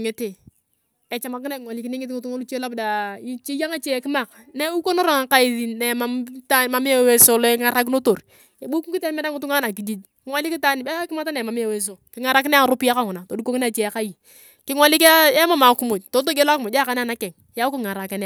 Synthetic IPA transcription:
ŋe˦te˨ | e˨t͡ʃa˨ma˨kɪ˦na˦˨ŋʷwa˨li˦ki˦ni˦ŋɪ˦ti˦ŋʊ˨tu˦ŋo˦lu˦t͡ʃe˦la˦bda˨i˦t͡ʃi˦ja˦ŋa˦t͡ʃe˦˨ki˦ma˨k | ne˦u˦ko˦no˦ɾa˨ŋa˨ka˦i˦ði˨ne˨ma˨˦mta˦ma˨˦m˦e˦˨we˦so˨lɔ˦ŋa˨ɾa˦k̬no˦to˨ɾ | e˨bu˦ku˦i˦tːmɛ˦da˦ŋu˦tu˦ŋa˦na˨k̬i˨d͡ʒi˦t | kɪ˦ŋʷwa˦li˦ki˦ta˦ni˨be˦kɪ˦ma˦ta˦ne˨ma˨m˦e˨we˦s̬o˨kɪ˦ŋa˨ɾa˦k̬ɪ˦n˦a˦˨ɾo˦pi˦a˦ka˦˨ŋʊ˨na˨to˨du˦ko˦kna˦˨t͡ʃe˨ka˦ji˨ | kɪ˦ŋwa˦li˦ke˦ma˦ma˨˦ku˦mo˨to˨˦t̬o˦ɡe˦la˦kmo˨˦a˦˨ka˦n˦a˦˨na˦kɛ˨ŋ˨ja˦kŋa˨ɾa˨ka˨n˦˨

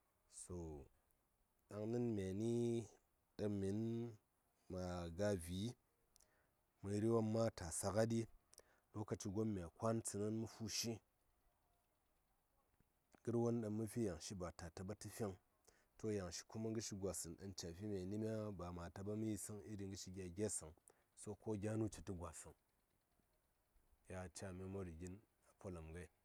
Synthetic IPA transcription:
so˨ | ɗa˨ŋnɨ˦nmʲ˨a˨ni˦ | ɗɐ˧mi˨˦n | ma˨ɡa˧vʲi˨˦ | mɨ˧ɾi˦wa˦mːa˦ta˨sa˧ka˦di˦ | lo˦ka˧t͡ʃi˧ɡo˦mːʲ˨a˨kʷa˦nt͡sɨ˧nɐ˦nmu˦fu˦ʃi˦ | ɡi˦ɾwo˦nɗa˨nmːu˦fi˦ja˨ŋʃi˦ba˨ta˨ta˨ba˦ti˦fe˦ŋ | to˦ja˨ŋʃi̥˨ku˦ma˦ŋɡɨ˦ʃi˦ɡʷa˨sɨ˨nɗa˨nt͡ʃa˨fi˦mʲa˨ni˦mʲ˦a˦ba˨ma˨ta˨ba˦mu˦ji˨si˦ŋi˦ɾi˨ŋɡɨ˦ʃi˦ɡʲa˨ɡʲe˦sɨ˨ŋ | so˦ko˦ɡʲa˦nu˦t͡ʃi˨ti˦ɡʷa˨sɨ˨ŋ | ja˨t͡ʃa˨me˦mo˦ɾi˨ɡʲi˦n | a˨po˦la˨mɡa˦i˦

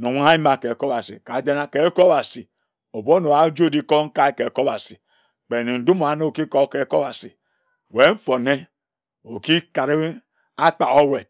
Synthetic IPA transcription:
no˨wʷa˦a˦i˦ma˨ke˨ko˦ba˨sḭ˨ka˨d͡ʒe˦na˦ke˨˦ko˦ba˨si˨ | o˨bo˦no˨a˨˦d͡ʒo˦˨di˦ko˦ŋ̩˦ka˦i˦ke˨ko˦ba˨si˨ | k͡pe˨ni˨n̩˨du˦mo˨a˨no˦o˨ki˦ko˦ke˨˦ko˦ba˨si˨ | we˨˦n̩˦fo˨ne˦ | o˨ki˦ka˨ɾi˦ | a˦k͡pa˨o˦we˨

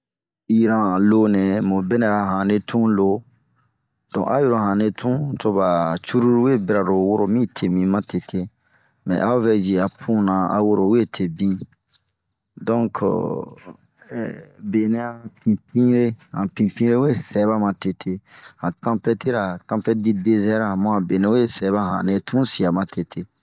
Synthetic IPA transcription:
i˨ɾã˨lo˦nɛ̃˨mo˨be˦nɛ̃˨a˨ɦã˨ne˦tʰũ˦lo˨˦ | d̥ɔ̰̃˨ʔa˦jo˦ɾo˨hã˨ne˧tʰũ˦to˧ba˨t͡ʃu˦ɾu˦ɾu˦we˦be˦ɾa˨ɾo˨wo˦ɾo˨mĩ˦tʰe˨mĩ˨mã˦tʰe˨tʰe˦ | mɛ̰̃˨ʔa˦o˦vɛ˦d͡ʒi˨a˨pʰũ˦nã˨a̰˨wo˦ɾo˨we˦tʰe˨bĩ˦ | dɔ̃˦kʰ | be˨nẽ˦a˦pĩ˨pĩ˦ɾe˦hã˨pĩ˨pĩ˦ɾe˦we˦sɛ˨˦ba˦mã˨te˨tʰe˦hã˨tã˦pɛ˦te˦ɾa˨tã˦pɛ˦di˦de˦zɛ˦ɾa˨mɔ̃˦a˨be˨nẽ˦we˦˨sɛ˨˦βa˦ɦã̰˨ne˧tʰũ˦si˨a˨mã˨tʰe˨tʰe˦

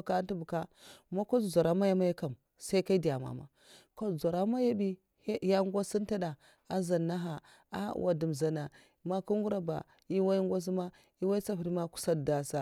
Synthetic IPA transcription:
ka˦nti˦bu˨ka˦ma˦ko˦˨za˨ɾa˦ma˦ja˦ma˦ja˦ka˨m | sa˦i˦ka˦i˦di˨ja˨ma̰˨ma̰˨ | ko˦˨zʷa˨ɾa˦ma˦ja˦bi˦ | ja˦ŋɡʷa˦si˦n˦ta˦da˨ | a˦za˨nːa˦ɦa˨ | a̰˦˨wʔa̰˨di˨m˨za˨na˨ | ma˦ku˦ŋ˦ɡu˦ɾa˦ba̰˨ | i˦wa˦i˦ŋɡʷa˦s̬i˦ma˦ | i˦wa˦i˦t͡sa˦ɸɾi˦ma˦ku̥˦sa˦˨da˨sa˨

